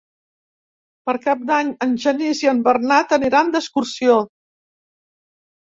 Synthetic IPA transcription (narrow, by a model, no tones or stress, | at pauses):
pəɾkap̚d̪aɲənʒəniziəmbərnat̪əniɾand̪əskuɾsio